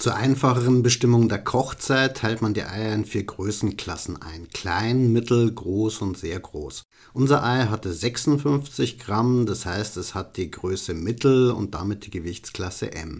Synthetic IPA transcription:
t͡suːɐʔaɪnfaχəʁənbəʃtɪmʊŋdeːɐɐkʰɔχt͡saɪtʰːaɪltmandḭːʔa̰ɪɐɪnfiːɐɡʁøːsn̩kl̥asn̩ʔa̰ɪnkl̥aɪnmɪtl̩ɡʁoːsʊntz̥eːɐɡʁoːs | ʔʊnzɐʔaɪɦatəzɛksʊnfʏnft͡sɪçɡ̥ʁamdashaɪstɛshat̚d̥iːɡʁøːsəmɪtl̩ʊ̰nt̚d̥amɪt̚d̥iːɡəvɪçt͡skl̥asə̰ʔɛ̰m

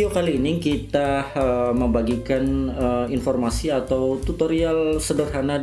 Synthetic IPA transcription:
okaliːnikit̪aəməmbaɡikanəinfɔrmasiat̪awt̪ut̪oɾialsədərɦana

